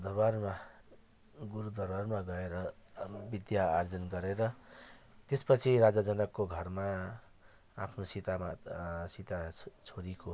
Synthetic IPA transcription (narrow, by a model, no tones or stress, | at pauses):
d̪ʱʌbarma | ɡuɾud̪ʱʌrbarmaɡʌeɾʌbid̪jaːrd͡zʌnɡʌɾeɾʌ | t̪espʌt͡sʰiɾad͡zad͡zʌnʌkːoɡʱʌrmaː | pʰnosit̪amasit̪at͡sʰoɾiko